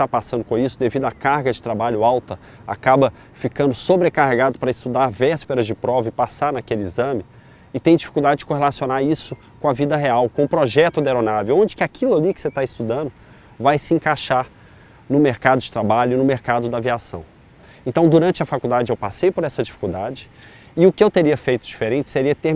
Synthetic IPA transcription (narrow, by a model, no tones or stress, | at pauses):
st̪apasɐ̃nd̪ʊkõisʊd̪evid̪ʊakaɾɡɐd͡ʒɪt̪ɾabaʎʊawt̪ɐ | a̰kabɐ | fikɐ̃nd̪ʊsobɾekaɦeɡad̪ʊpɾɐɪst̪ud̪aɾvɛspeɾɐzd͡ʒɪpɾɔvɐɪpasaɾnɐkelɪizɐ̃mɪ | ɪt̪ẽj̃d͡ʒifi̥kuwd̪ad͡ʒɪd͡ʒɪkõɦelasionaɾisʊ | kõɐvid̪ɐɦeawkõʊpɾoʒɛt̪ʊd̪eɾonavewõd͡ʒɪ̥kɪakʰilʊalikɪ̥set̪aɪst̪ud̪ɐ̃nd̪ʊ | vajsɪẽŋkaʃaɾ | nʊmeɾkad̪ʊd͡ʒɪt̪ɾabaʎʊinʊmeɾkad̪ʊd̪ɐaviasɐ̰̃w̃ | ẽnt̪ɐ̃w̃d̪uɾɐ̃nt͡ʃɪɐfakud̪ad͡ʒɪewpasejpoɾɛsɐd͡ʒifi̥kuwd̪ad͡ʒɪ | ɪʊkɪewt̪eɾiɐfejt̪ʊd͡ʒifeɾẽt͡ʃɪ̥seɾiɐt̪eɾ